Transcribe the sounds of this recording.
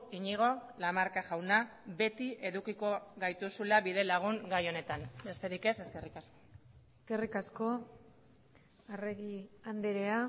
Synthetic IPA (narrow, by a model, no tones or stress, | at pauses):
iɲiɣ̞o̞lamaɾkaʝawnabe̞t̪iʔe̞ðukiko̞ɣajt̪usulaβiðe̞laɣ̞uŋɡajo̞ne̞t̪ane̞st̪eɾike̞se̞ske̞rikasko̞̥eske̞rikasko̞ | areɣiand̪eɾea